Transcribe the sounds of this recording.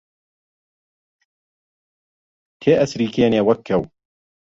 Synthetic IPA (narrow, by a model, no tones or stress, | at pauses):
t̪ʰeːʔɐsɾiːkʰeːneːwɐkʰːɐw